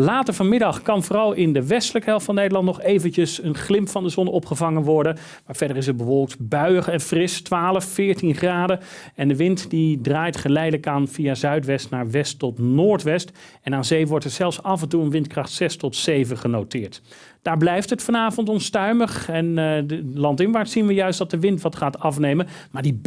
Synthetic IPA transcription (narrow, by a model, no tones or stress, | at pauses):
laːtəɹvɑnmɪdɑχkɑnvoːrɑlˠɪndəʋɛstələkəɦɛlˠftfɑndənejdəlɑntnɔχejvəncəsənχlɪmpfɑndəzɔnɔpχəvɑŋənʋɔɹdən | maːɹv̥ɛdəɹɪs̬ɛt̚bəʋɔlˠk̚tbœɥəχɛnfrɪstʋaːləfːɪːɹtinχraːdəɛndəʋɪntdidraːjtχəlɛjdələkaːnv̥ijazœɥtʋɛstnaːɹʋɛstɔtnoːɹtʋɛst | ɛnaːnzejʋɔɹtɛɹzɛlˠfsɑvɛntuənʋɪntkrɑχtsɛstɔtsejvəχənowtɪːɹt | d̥aːɹblɛjftətfɑnaːvɔntɔnstœɥməχɛnlɑntɪnʋaːɹtsinʋəjœɥstdɑt̚dəʋɪntʋɑtχaːtɑfnejmən | maːɹdi